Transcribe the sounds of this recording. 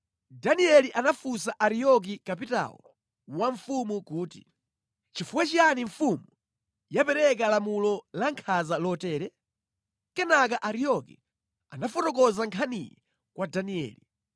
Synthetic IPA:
daniɛliʔanafusaʔaɾijɔk̬ikapita̰wɔ̰ | waɱfumukuːtḭ | t͡ʃifuwɛt͡ʃijaniɱfumu | japɛɾɛk̬alamulɔlaŋkʰazalɔtɛːɾɛ | kɛnak̬aʔaɾijɔkḭ | anafɔtɔkɔzaŋkʰanijɛ̰ | kwadaniɛ̰ːli

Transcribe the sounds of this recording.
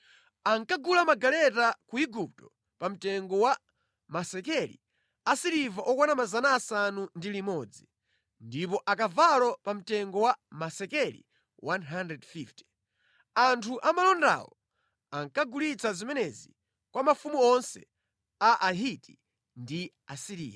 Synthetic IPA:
aŋkaɡulamaɡalɛtakuiɡup̚tɔ | pam̩tɛŋɡɔwa | masɛkɛlḭ | asiɾivaʔɔkanamazanaːsanundilimɔd͡zi | ndip̬ɔʔakavalɔpam̩tɛŋɡɔwamasɛkɛlḭ | wʔanɦandɾɛdfifti̥ | antʰuʔamalɔnda̰wɔ | aŋkaɡulit͡sazimɛnɛzi | kwamafumuɔnsɛ̰ | aʔaɦiti | ndi | asiɾḭːja

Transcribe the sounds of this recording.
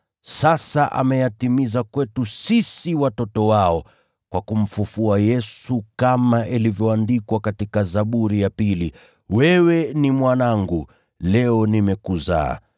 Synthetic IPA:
sasaʔa̰mɛjatimizakwɛtusisiwatɔtɔwaɔ | kwʔakum̩fufuajɛsukamaʔilivjɔandikwakatikazaɓuɾijapili | wɛwɛnimwanaŋɡu | lɛɔnimɛkuza̰ː

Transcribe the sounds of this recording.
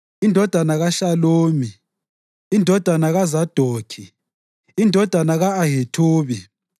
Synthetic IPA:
indʱɔd̥ʱanaɣaɬaloːmi | indʱɔd̥ʱanaɣazad̥ʱoːkʰi | indʱɔd̥ʱanaɣaːɦetʰuːβi

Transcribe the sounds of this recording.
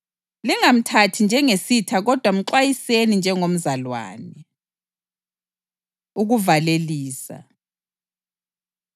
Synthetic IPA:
liŋam̩tʰatʰind͡ʒʱɛŋesitʰaɣɔd̥ʱwam̩ǃwajisenind͡ʒʱɛŋom̩zalwa̰ːnɛ | uɣuvaleliːsa̰

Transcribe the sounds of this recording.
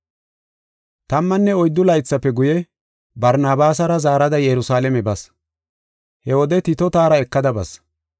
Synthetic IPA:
t̪ɐmːɐnːɛɔjd̪ːʊlɐjt͡sːɐpːɛɡʊjɛ | bɐɾnaːbaːsɐɾɐzaːɾɐd̪ɐjɛɾʊsaːlɛmɛbɐs | hɛwɔd̪ɛt̪ɪt̪ɔt̪aːɾɐɛkːɐd̪ɐbɐ̰s

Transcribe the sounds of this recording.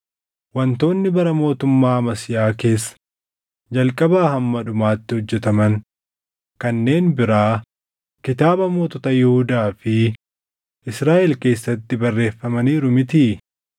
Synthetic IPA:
wɐnt̪o̞ːnːɪbɐɾɐmo̞ːt̪ʊmːaːɐmɐsɪjaːke̞ːsːɐ̥ | d͡ʒɐlkʼɐbaːhɐmːɐᶑʊmaːt̪ːɪhɔd͡ʒːɛt̪ɐmɐn | kɐnːe̞ːnbɪɾaː | kɪt̪aːbɐmoːt̪ɔt̪ɐjɛhʊd̪aːfɪ | ʔɪsɾaːʔɛlke̞ːsːɐt̪ːɪbɐrːe̞ːfːɐmɐniːɾʊmɪt̪iː

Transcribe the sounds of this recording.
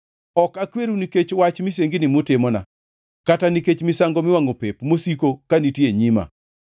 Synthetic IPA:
ɔkakweɾuniket͡ʃwat͡ʃmɪs̬eŋɡɪnɪmotɪmɔna̰ | kataniket͡ʃmɪsaŋɡomɪwaŋopepmosikokanitjeɲima̰

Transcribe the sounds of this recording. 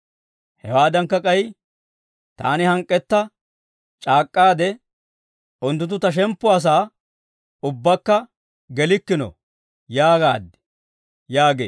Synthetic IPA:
hɛwaːd̪ɐŋkːɐkʼɐj | t̪a̰ːnɪhɐŋkʼːɛt̪ːɐ | t͡ʃʼaːkʼːaːd̪ɛ | ʊnt̪̬ːʊt̪̬ːʊt̪ɐʃ̬ɛmpːʊɐs̬aː | ʊbːɐkːɐ | ɡɛlɪkːɪnɔ̰ | jaːɡa̰ːd̪ːɛ̥ | jaːɡḛː

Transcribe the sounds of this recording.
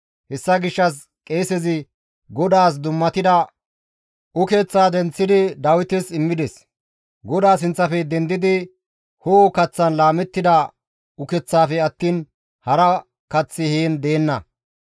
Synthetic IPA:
hɛsːɐɡɪʃːɐs | kʼeːsɛzɪ | ɡɔd̪aːs̬d̪ʊmːɐt̪ɪd̪ɐ | ʊkɛt͡sːaːd̪ɛnt͡sːɪd̪ɪd̪ɐwɪt̪ɪsɪmːɪd̪ɛs | ɡɔd̪aːs̬ɪnt͡sːɐfɛd̪ɛnd̪ɪd̪ɪ | hoːkɐt͡sːɐnlaːmɛt̪ːɪd̪ɐ | ʊkɛt͡sːaːfɛɐt̪ːiːn | hɐɾɐ | kɐt͡sːɪhiːnd̪e̞ːnːɐ̰

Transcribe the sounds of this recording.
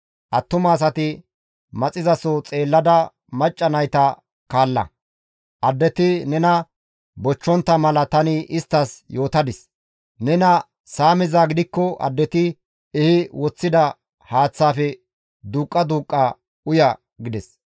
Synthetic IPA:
ʔɐt̪ːʊmɐːs̬ɐt̪ɪ | mɐt͡sʼɪzɐsɔt͡sʼe̞ːlːɐd̪ɐ | mɐt͡ʃʼːɐnɐjt̪ɐ | kaːlːɐ̰ | ʔɐd̪ːɛt̪ɪnɛnɐ | bɔt͡ʃːɔnt̪ːɐmɐlɐt̪ɐnɪɪst̪ːɐsjo̞ːt̪ɐd̪ɪs | nɛnɐ | saːmɪzaɡɪd̪ɪkːɔɐ̰d̪ːɛt̪ɪ | ɛhɪwɔt͡sːɪd̪ɐ | haːt͡sːaːfɛ | d̪uːkʼːɐd̪uːkʼːɐ | ʊjɐ | ɡɪd̪ɛs

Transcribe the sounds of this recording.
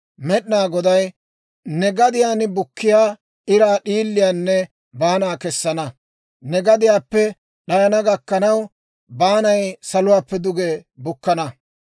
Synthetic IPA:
mɛɗɪnaːɡɔd̪ɐj | nɛɡɐd̪ɪjaːnɪbʊkːɪjaː | ɪɾaːɗiːlːɪjaːnːɛ | baːnaːkɛsːɐnɐ | nɛɡɐd̪ɪjaːpːɛ | ɗɐjɐnɐɡɐkːɐnɐw | baːnɐjsɐlʊwaːpːɛd̪ʊɡebʊkːɐnɐ

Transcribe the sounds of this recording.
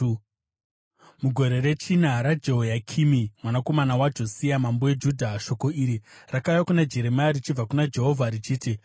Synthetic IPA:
muɡʱo̞ɾe̞ɾe̞t͡ʃinaɾad͡ʒe̞ɦojakʰimimwanako̞manawad͡ʒo̞siamambowe̞d͡ʒudʱaʃo̞ko̞iɾirakajakunad͡ʒe̞ɾe̞majarit͡ʃib͡vakunad͡ʒe̞ɦo̞vʱaɾit͡ʃiːti

